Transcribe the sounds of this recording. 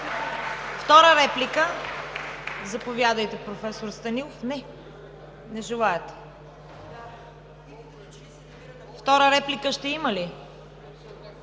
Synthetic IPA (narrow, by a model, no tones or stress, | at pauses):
ft̪ɔɾəɾɛplikə | zɐpovjad̪əjt̪ɛpɾofɛsoɾst̪ɐnilˠofnɛ | nɛʒɛlˠaɛt̪ | ft̪ɔɾəɾɛplikəʃt̪ɛiməli